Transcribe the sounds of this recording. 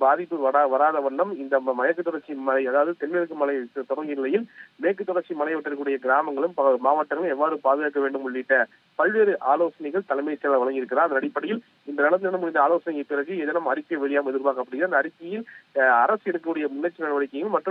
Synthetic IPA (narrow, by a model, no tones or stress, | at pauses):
baːðɪpːɯʋɐɽaʋɐɾaːðɐʋɐɳːɐmɪnd̪ɐmɐjɐkːɯt̪ːɔɽɐɾt͡ʃːimɐɐɪɐðaːʋɐðɯt̪ɛnʋɛɾɯk̬ːɯmɐlɐt̪ɔɽɐŋɡɪnɪlɐjɪlmeːkːɯt̪ːɔɽɐɾt͡ʃːimɐnɐɪʋɐʈːɐɾɯkɯːɽɐjɐɡɪɾaːmɐŋɡɐɭɯmpmaːʋɐʈːɐŋɡɐɭɯmɛʋːaːɾɯpaːðɯɣaːk̬ːɐʋeːɳɖɯmʊɭːɪʈːɐ | pɐɭʋeːɾɯʔaːloːsɐnɐɪɣɐɭt̪ɐlɐɪmɐjt͡ʃːɐɐlɐʋɐɭɐŋɡɪɾɯkːɪɾɐaːɐnðdɐɽɪpːɐɽɐjɪl | ɪnd̪ɐnɐlɐnd̪ɯɐnɐmʊɽɪnd̪ɐaːloːsɐnɪjɐpɪɾɐɣɯɛðɐnɐmɐɾɪkːɐʋɛɭɪjaːmɛðɪɾʋaːɣɐpːɐɽɪ̃ŋɡɾɐnd̪ɐːɾɪkːɐjɪlɐɾɐsɛɽɯkːɐɯɽɐjɐmʊnːɐt͡ʃːinɐɽɐʋɐɽɪkːɐŋɐɭmɐʈrɯ